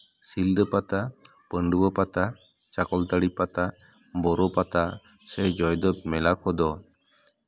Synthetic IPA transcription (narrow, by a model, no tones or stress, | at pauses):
sild̪əpat̪a | pəɳɖubɔpat̪a | t͡ʃakɔlt̪aɽipat̪a | bɔɾɔpat̪a | sɛd͡ʒɔjd̪ɔb̚mɛlakʰɔd̪ɔ